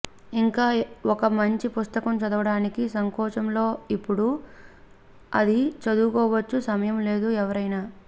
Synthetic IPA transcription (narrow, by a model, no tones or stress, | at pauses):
iŋkaːɔkɐmɐɲt͡ʃipust̪ɐkɐmt͡ʃɐd̪ɐʋɐɽaːnikisɐŋkɔːt͡ʃɐmlo̞ːipːuɽu | ɐ̰d̪it͡ʃɐd̪ukɔːʋɐt͡ʃːusɐmɐjɐmle̞ːd̪uɛʋɐɾɐjnaː